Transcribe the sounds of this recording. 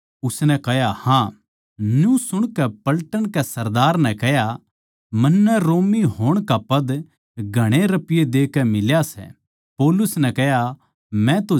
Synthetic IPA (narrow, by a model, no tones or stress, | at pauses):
ʊsnɛkɐɦjahã | njũsʊɽ̃kɛpɐlʈəñkɛsɐɾd̪aːɾnɛ̃kɛɦja | mɐnːɛɾoːmiɦoːɽ̃kapɐd̪ | ɡʱɐɽ̃eɾɐpɪjed̪eːkɛmɪljasɛ̰ | poːlʊsnɛkɛɦja | mɛ̃t̪o